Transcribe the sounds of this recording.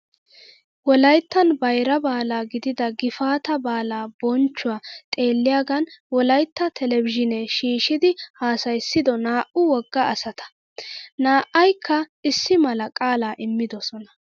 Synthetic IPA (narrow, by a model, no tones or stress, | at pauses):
wɔlɐjt̪ːɐnbɐjɾɐbaːlaːɡɪd̪ɪd̪ɐɡɪfaːt̪ɐbaːlaːbɔnt͡ʃːʊwaːt̪ʼe̞ːlːɪjaːɡɐnwɔlɐjt̪ːɐt̪ʰɛlɛvɪʒɪnɛʃiːʃɪd̪ɪhaːsɐjsːɪd̪ɔnaːʔʊwɔɡːɐɐsɐt̪ɐ̥ | naːʔɐjkʰːɐɪsːɪmɐlɐkʼaːlaːʔɪmːɪd̪ɔsɔnɐ